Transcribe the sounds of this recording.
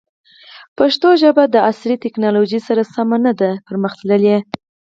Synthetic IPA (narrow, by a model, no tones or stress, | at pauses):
paʃt̪oʒəbad̪əaslit̪ɪknɑloʒisaɾasamanad̪apəɾməxt̪ləlje